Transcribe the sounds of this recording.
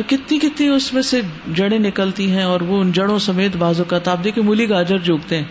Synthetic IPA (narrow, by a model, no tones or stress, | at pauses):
kɪt̪nĩkɪt̪nĩʊsmẽsed͡ʒɐɽ̃ẽnɪkəlt̪iɦɛ̃ɔːɾʋoʊnd͡ʒɐɽ̃õsɐmeːt̪baːzõkat̪aːpb̚d̪eːkʰiemʊliɡaːd͡ʒəɾd͡ʒoːɡt̪eɦɛ̃ː